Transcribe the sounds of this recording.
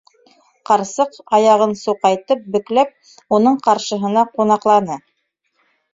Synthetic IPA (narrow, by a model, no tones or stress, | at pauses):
qɑɾsɤqɑjɑʁɤnsuqɑjt̪ɤp̚bɵ̆klæp̚ | unɤɴqɑɾʃɤ̆ɦɤ̆nɑqunɑqlˠɑnɤ